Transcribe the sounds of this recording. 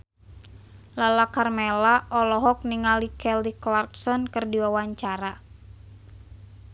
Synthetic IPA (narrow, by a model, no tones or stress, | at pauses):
lalakarmɛlaʔɔlɔɦɔk̚niŋalikɛliklarksɔnkɨrdiwawaɲt͡ʃaɾa